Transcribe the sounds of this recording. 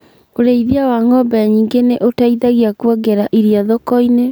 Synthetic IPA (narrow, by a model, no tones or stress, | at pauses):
oɾeiðiawaŋɔbɛaɲiːŋɡeneʔotaiðaɣiakwɔɡɛɾaʔiɾiaðɔkɔine